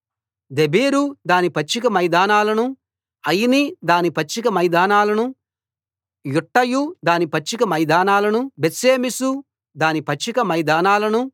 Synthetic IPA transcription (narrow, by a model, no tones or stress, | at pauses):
d̪e̞biːɾud̪aːnipɐt͡ʃːikɐmɐjd̪aːnaːlɐnu | ɐjinid̪aːnipɐt͡ʃːik̬ɐmɐjd̪aːnaːlɐnu | juʈːɐjud̪aːnipɐt͡ʃːikɐmɐjd̪aːnaːlɐnubeseːmisu | d̪aːnipɐt͡ʃːikɐmɐjd̪aːnaːlɐnu